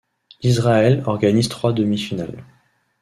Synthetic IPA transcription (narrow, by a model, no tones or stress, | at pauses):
izʁaɛlɔʁɡanizt̪χwad̪əmifinal